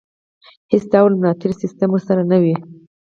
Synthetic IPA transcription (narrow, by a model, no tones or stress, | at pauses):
hɪsd̪ɑwalmnɑt̪ɪɾsɪst̪amwəɾsaɾanawi